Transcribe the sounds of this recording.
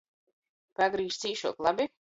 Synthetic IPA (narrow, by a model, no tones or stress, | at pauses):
paɡɾiːʃt̪siːʃuɔklˠabi